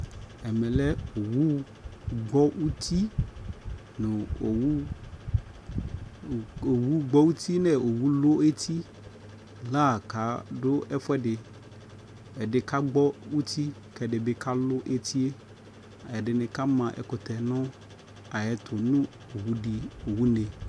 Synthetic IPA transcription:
ɛ˨mɛ̃˨lɛ˦o˨wu˦ | ɡ͡bɔ˦wu˦t̪ʰi˦ | nõ˨˦ | o˨wu˦ɡ͡bɔ˦wu˦t̪ʰi˦nɛ̃˨o˨wu˦lo˦e˦t̪ʰi˦ | la˦˨ka˨˦ɖo˦ɛ˦fɛ˦ɖɪ˨ | ɛ˨ɖɪ˨ka˦ɡ͡bɔ˦wu˦t̪ʰi˦ | kɛ˨ɖɪ˨be˦kʰa˦lo˦ʔe˦t̪i˦e˦˨ | ɛ˨ɖɪ˨nɛ̃˨ka˦mã˨ʔɛ̰˨ko˨t̪ɛ˨nɔ̃˦ | a˨jɛ˨t̪ʰo˨nũ˦ | o˨wu˦ɖi˨o˨wu˦nẽ˨

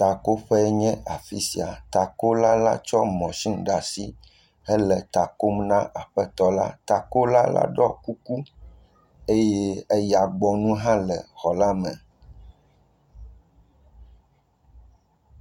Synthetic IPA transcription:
t̪a˨ko˦ɸɛ˦ɲɛ̃˦a˨fi˦si˨a̰˨t̪a˨ko˦la˦la̰˦t͡ʃɔ˦mɔ̃˨ʃĩ˦ŋɖa˨si˦ | ɛ˦lɛ˨t̪a˨ko˦mnã˦ʔa˨ɸɛ˦t̪ɔ˦la̰˦t̪a˨ko˦la˦la̰˦ɖɔ˦ku˦ku˦ | e˦je˦e˦ja˨ɡ͡bɔ˨nũ˦ɦã˦lɛ˨xɔ˨la˦mɛ̃˨

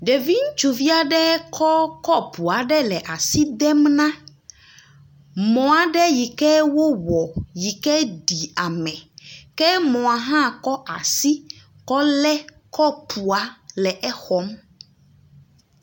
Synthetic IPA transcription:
ɖe˨vi˦ŋ̩˦t͡ʃu˨vi˦a˦ɖɛ˦kʰɔ˦kɔ˦pʰu˨a˨ɖɛ˦lɛ˨ʔa˨si˦d̪ɛ˦mnã˦ | mɔ̃˨a˨ɖɛ˦ji˨kɛ˦wo˦wɔ˨ji˨kɛ˦ɖi˨a˨mɛ̃˨kɛ˦mɔ̃˨a˨ɦã˦˨kɔ˦ʔa̰˨si˦ | kɔ˦lɛ˦kɔ˦pʰu˨a˨˦lɛ˨ʔɛ˦xɔ˦m

